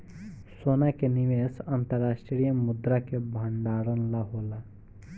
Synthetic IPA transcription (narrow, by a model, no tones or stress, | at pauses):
soːnakeniʋesənt̪əɾːaːsʈɾɾijəmʊd̪ɾakebʱəɳɖaːɽənlaɦola